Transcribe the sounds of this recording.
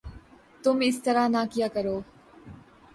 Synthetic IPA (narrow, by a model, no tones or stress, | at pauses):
t̪ʊmɪst̪əɾanaːkijaːkəɾoː